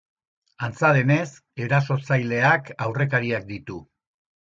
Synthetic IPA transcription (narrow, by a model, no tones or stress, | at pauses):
ant͡saðe̞ne̞s | e̞ɾaso̞t͡sajle̞akawre̞kaɾiak̚d̪it̪u